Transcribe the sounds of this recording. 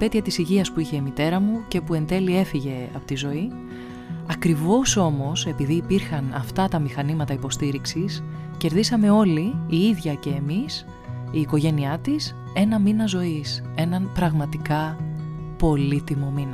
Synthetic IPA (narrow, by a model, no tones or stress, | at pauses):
p̪e̞t̪çɐt̪isiʝiɐspuiçe̞imit̪e̞ɾɐmuce̞pue̞nd̪e̞lie̞fiʝe̞ɐ̰po̞t̪izo̞i | ɐkɾivo̞so̞mo̞se̞piðiːpiɾxɐnɐft̪ɐt̪ɐmixɐnimɐt̪ɐipo̞st̪iɾiksis | ce̞ɾðisɐme̞o̞liːiðʝɐce̞ːmis | iːko̞ʝe̞niɐt̪is | e̞nɐminɐzo̞is | e̞nɐnpɾɐɣmɐt̪ikɐ | po̞lit̪imo̞minɐ